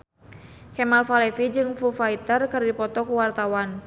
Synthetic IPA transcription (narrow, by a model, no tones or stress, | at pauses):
kɛmalfalɛfid͡ʒɨŋfufait̪ərkɨrdipɔt̪ɔkuwart̪awan